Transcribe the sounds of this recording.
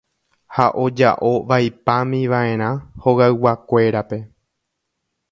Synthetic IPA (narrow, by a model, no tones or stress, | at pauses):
haʔo̞d͡ʒa̰ʔo̞ʋajpãmĩʋaʔẽ̞ɾ̃ãho̞ɣaɨwakʷe̞ɾape̞